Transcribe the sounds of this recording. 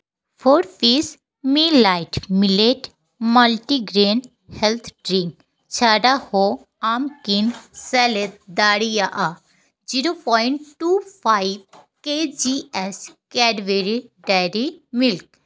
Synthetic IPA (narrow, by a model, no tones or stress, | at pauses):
pʰoːɾpʰiːs | miːlːaːɪʈmileʈ | mɐlʈiɡɾeːn | hɛlt̪ʰɖɾĩŋk | t͡ʃʰaːɖaho | aːmkinsɛːlet̪̚d̪aːɽijaʔa | d͡ʒiɾopɔːɪɳʈʈuːpʰaːiʋked͡ʒiːɛskɛːɖʋeɾiɖaɾimilk̚